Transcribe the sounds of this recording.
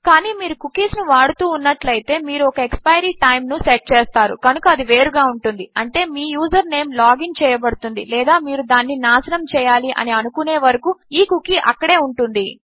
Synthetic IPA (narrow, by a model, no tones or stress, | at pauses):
kaːniːmiːɾukukiːsnuʋaːɽut̪uːnːɐʈlɐjt̪e̞ːmiːɾuɔkɐekspɐjɐɾiːʈɐjmnuseʈ̚t͡ʃeːst̪aːɾṵkɐnukɐɐd̪iʋeːɾuɡaːuɳʈund̪iɐɳʈe̞ːmiːjuːzɐɾne̞ːmlaːɡiŋt͡ʃɛːjɐbɐɽut̪und̪ḭlɛːd̪aːmiːɾud̪aːnːinaːsɐnɐmt͡ʃɛːjaːliʔɐ̰niɐnukune̞ːʋɐɾɐkuiːkukiʔɐ̰kːɐɽe̞ːuɳʈund̪i